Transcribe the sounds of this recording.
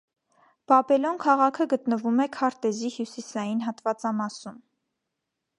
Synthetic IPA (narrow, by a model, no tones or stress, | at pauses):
b̥ɑbɛlɔnkʰɑʁɑkʰəɡət̪nəvumɛkʰɑɾt̪ɛzihjusisɑjinɦɑt̪vɑt͡sɑmɑsum